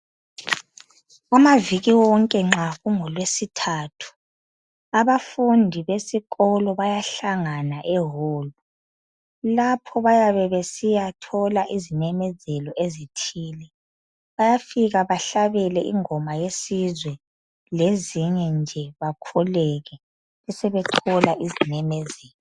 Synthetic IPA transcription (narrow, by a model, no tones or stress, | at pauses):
amaviɣiwɔŋkʼɛŋ͡ǁaɣuŋɔlwesitʰaːtʰu̥ | aβafundʱiβesiɣɔlɔβajaɬaŋanaʔɛɦɔːlɔ | lapʰɔβajaβɛβesijatʰɔlaʔizinɛmɛzɛlɔʔezitʰiːlɛ | βajafiɣaβaɬaβɛlɛʔiŋɔmajesizwɛ | leziɲɛnd͡ʒʱɛβakʰɔlɛɣɛ | ɛsɛβɛtʰɔlaʔizinɛmɛzɛːlɔ